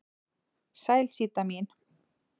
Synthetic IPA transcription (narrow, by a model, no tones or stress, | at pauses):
sajlsiːt̪amin